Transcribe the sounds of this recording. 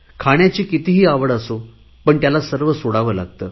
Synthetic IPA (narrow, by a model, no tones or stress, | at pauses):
kʰaɽ̃jat͡ɕiːkit̪iɦiːaʋəɽəso | pəɳt̪jalasəɾʋəsoɽaʋəːla̰ɡt̪əː